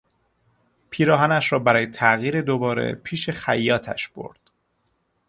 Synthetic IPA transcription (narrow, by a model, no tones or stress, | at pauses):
pʰiːɾɒːɦænæʃɾɒːbæɾɒːjet̪ʰæʔɣiːɾe̞d̪obɒːɾe̞̰pʰiːʃe̞xæjːɒːt̪ʰæ̰ʃb̥o̞̰ɾd̪̥